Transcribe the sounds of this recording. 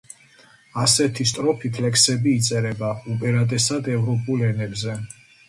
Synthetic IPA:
asɛt̪ʰist̪ʼɾɔpʰip̪ʰlɛksɛbiːt̪sʼɛɾɛbaupʼɛɾat̪ʼɛsad̪ɛvɾɔpʼulɛnɛbzɛ

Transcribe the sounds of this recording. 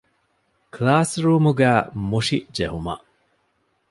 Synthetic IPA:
klaːsɾuːmuɡæːmuʂid͡ʒeɦumɐ̰ʔ

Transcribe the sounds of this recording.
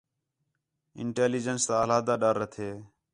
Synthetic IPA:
ɪ̰ɳʈeːliːd͡ʒənst̪aːəlaːd̪aːɗaɾːət̪ʰeː

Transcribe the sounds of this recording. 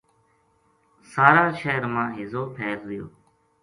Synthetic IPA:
saːɾaːʃeːɾmãːɦɪzoːpʰeːɾd̪ɪjo̰ː

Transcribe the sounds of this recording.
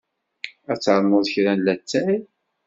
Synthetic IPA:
æt͡sːʕɾmːəðˤəçɾænlæt͡sːæ

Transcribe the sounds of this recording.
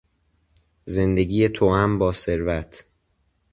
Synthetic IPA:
ze̞nd̪e̞ɡiːjet̪ʰoæmbɒːse̞ɾvæt̪ʰ

